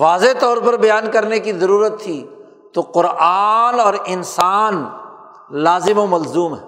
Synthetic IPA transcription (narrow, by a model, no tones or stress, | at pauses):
ʋaːzet̪ɔːɾpɐɾbɐjaːnkɐɾnekizɐɾuːɾət̪ʰːiː | t̪oqʊɾʔaːnɔːɾɪnsaːn | laːzɪmomɐlzuːmɦɛː